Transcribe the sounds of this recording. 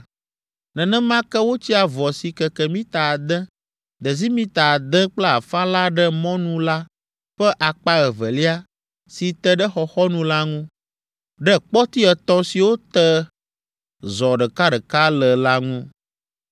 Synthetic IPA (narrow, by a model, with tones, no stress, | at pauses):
nɛ̃˨nɛ̃˦mã˦kɛ˦wo˦t͡ɕi˦a˨vɔ˨si˨kɛ˨kɛ˨mĩ˦t̪a˨d̪ɛ̃˦ | d̪ə˨zi˦mĩ˦t̪a˨d̪ɛ̃˦k͡plɛ˦a˨fã˦la˦ɖɛ˦mɔ̃˦nũ˦la˦ | ɸɛ˦ʔa˨k͡pa˦ɣɛ˨və˨li˦a˦ | si˨t̪ɛ˦ɖɛ˦xɔ˨xɔ˦nũ˦la˦ŋũ˦ | ɖɛ˦k͡pɔ˦t̪i˦ɛ˨t̪ɔ̃˦si˨wo˦t̪ə˦ | zɔ˨ɖə˨ka˦ɖə˨ka˦lə˨la˦ŋũ˦